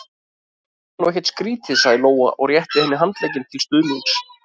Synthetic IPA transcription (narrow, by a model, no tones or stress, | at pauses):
nuɛçcɛ̥ɾt̪skɾiːt̪ʰɪsaɣðɪloːwa̰ʔɔ̰ɣrjɛht̪ɪhɛnːɪɦant̪leːjcɪnt̪ʰɪlst̪ʏðliŋks